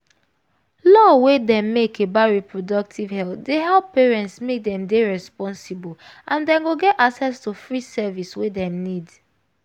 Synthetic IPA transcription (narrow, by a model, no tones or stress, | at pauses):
lɔwedɛ̃mːekebaɹipɹodɔk̚tʰivhɛltdeɦɛlpːeɹɛ̃ntsmek̚dɛ̃mdeɹɛspɔ̃nsibo | ãndɛ̃nɡoɡɛtaksɛstufɹisɛviswedɛ̃mnid